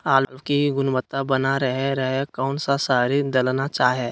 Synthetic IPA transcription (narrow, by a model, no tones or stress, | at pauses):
aːllʋkiɡʊnbət̪ːabənaɾəɦeɾəɦekɔːnsasaːɾid̪ɐlnat͡ʃaːɦɛː